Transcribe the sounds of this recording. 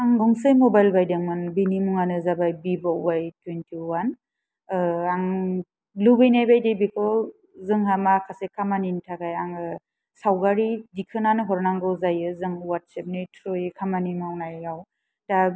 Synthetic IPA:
aŋɡɔŋsɯjmɔbajlbajdɯŋmɯnbinimuŋanɯzabajbibawbajtwentʰiwan | aŋ | lubɯjnajbajdebikʰɔ | zɯŋɦamakʰasekʰamanintʰakajaŋɯ | sawɡaɾidikʰɯnanɯɦɔɾnaŋɡɯzajɯzɯŋwat̚sep̚nɯtʰɾɔjɯkʰamanimawnajaw | da

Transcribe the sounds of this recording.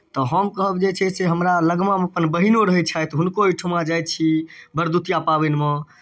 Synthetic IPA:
t̪ɔɦəmkəɦəbd͡ʒet͡ʃʰɛseɦəmɾaləɡmameəpənbəɦinoɾəɦɛt͡ʃʰajt̪ɦunkoiʈʰumad͡ʒaj̪̚t͡ʃʰibʱəɾd̪ut̪ijapabɛnme

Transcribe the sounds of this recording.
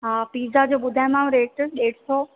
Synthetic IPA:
apiːzad͡ʑoːɓʊd̪ʱaːɪ̃mãːũɾeːʈɗeːʈsoː

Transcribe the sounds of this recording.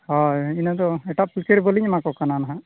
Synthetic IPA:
ɦãinad̪ɔɛʈaʔplkeɾboliɲmãkɔkananaɦã

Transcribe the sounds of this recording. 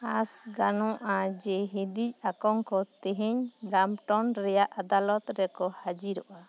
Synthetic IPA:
asɡanɔ̃ʔad͡ʒɛɦid̪ic̚akɔŋkɔt̪ɛɦeɲɾamʈɔnɾɛjaʔad̪alɔt̪ɾɛkɔhad͡ʒiɾɔʔa

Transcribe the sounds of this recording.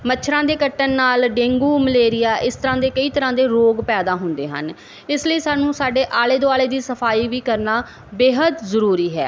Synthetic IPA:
mətːʃʰɾãːd̪eːkəʈːənːaːlɖẽːŋɡuːməleːɾɪjaːʔɪst̪əɾãːd̪eːkəiːt̪əɾãːd̪eːɾoːɡpɛːd̪aːɦʊ̃nd̪ḛːɦə̰n | ɪsləiːsaːnũːsaːɖeːʔaːleːd̪oːaːleːd̪iːsəpʰaːiːʋiːkəɾnaː | beːɦəd̪zəɾuːɾiːɦɛː

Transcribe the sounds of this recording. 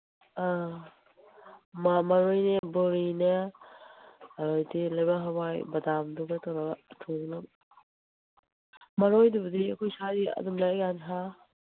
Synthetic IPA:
a | mamɐɾojnɐbuɾinɐ | ɐɾojdilɐjbaɦabajbɐdamduɡɐtʰaɾaɡɐtʰoŋnɐm | mɐɾojdubɐdiɐkʰojsajdiɐ̰dumlaɡanɦa

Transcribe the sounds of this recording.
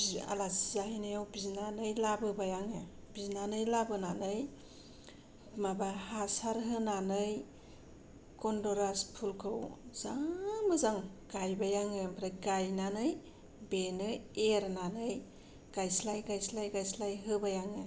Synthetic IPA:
a̰lasizahijnɯjawbiznanɯjlabɯbajaŋɯ | b̥iznanɯjlabɯnanɯj | mabahasaɾɦɯnanɯj | kɔndɔɾaspʰulkʰɯwzamɯzaŋɡajbajaŋɯbaɾaɡajnanɯj | benɯeɾnanɯj | ɡ̥ajslajɡajslajɡajslajɦɯbajaŋɯ

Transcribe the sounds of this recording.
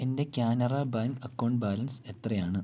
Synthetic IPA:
e̞nde̞kʲjaːnɐrabaŋɐkːɐwɳɖbaːlɐnse̞t̪rɐjaːɳɨ

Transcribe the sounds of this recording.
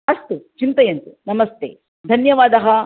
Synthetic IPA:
ɐst̪ut͡ʃint̪ɐjɐnt̪unɐmɐst̪ʰeː | d̪ʱɐnjɐʋaːd̪ɐɦɐ

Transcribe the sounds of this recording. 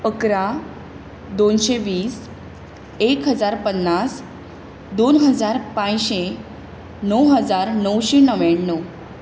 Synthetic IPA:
əkɾã | d̪onɕeʋiːs | ekɦəd͡zaɾpənːas | d̪onɦəd͡zaɾpãjɕe | nəwɦəd͡zaɾnəwɕenəʋeɳːə

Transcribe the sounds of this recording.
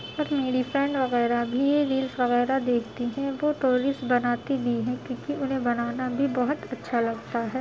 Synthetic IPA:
ɔːɾmeːɖifɾɛ̃ɳɖʋɐɣɛːɾabʱijeɾiːlsʋɐɣɛːɾad̪eːkʰt̪iɦɛ̃ʋoːʈoːɾɪsbɐnaːt̪ibʱiɦɛ̃kjõːkiʔʊnɦẽbɐnaːnabʱibɐɦʊt̪ɐtːʃʰalɐɡt̪aɦɛː

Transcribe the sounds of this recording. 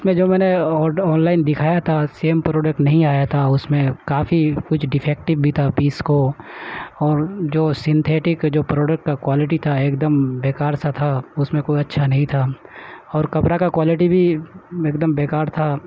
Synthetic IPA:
ʊsmẽd͡ʒoːmɛ̃ːneɔːɔːnlaːɪnd̪ɪkʰaːjat̪ʰaseːmpɾoːɖək̚ʈnɐɦĩaːjat̪ʰaʊsmẽkaːfikʊt͡ʃʰɖɪpʰɛːk̚ʈɪbbʱit̪ʰapiːsko | ɔːɾd͡ʒoːsɪ̃nt̪ʰeːʈɪkd͡ʒoːpɾɔːɖək̚ʈkakwaːlɪʈ̬it̪ʰaeːkd̪əmbeːkaːɾsat̪ʰaʊsmẽkoːiɐtːʃʰanɐɦĩt̪ʰaɔːɾkɐpɾakakwaːlɪʈibʱieːk̚d̪əmbeːkaːɾt̪ʰa

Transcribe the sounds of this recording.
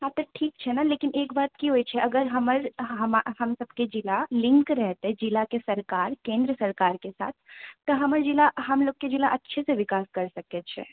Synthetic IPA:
ɦat̪ɐʈʰiːkt͡ʃʰɛnaleːkɪneːkbaːt̪kiɦoit͡ʃʰɛʔɐɡəɾɦɐməɾɦɐmaɦɐmsɐb̚ked͡ʒɪlalɪ̃ŋkɾɛɦt̪eɦɛd͡ʒɪlakesɐɾkaːɾkẽːnd̪ɾəsɐɾkaːɾkesa̰ːt̪ʰt̪ːɐɦɐməɾd͡ʒilaɦɐmloːk̚ked͡ʒɪlaʔɐtːʃʰeseʋɪkaːskɐɾsɐkɛt͡ʃʰɛ̰ː

